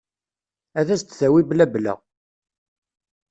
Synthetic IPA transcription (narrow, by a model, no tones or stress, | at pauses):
æðæst̪θæwiblæblæ̰